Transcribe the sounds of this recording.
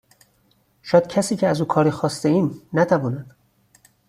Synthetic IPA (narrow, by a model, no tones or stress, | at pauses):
ʃɒːd̪̥̚cʰæsiːcʰeæzuːkʰɒːɾiːxɒːst̪eiːnːæt̪ʰævɒːnæd̪̥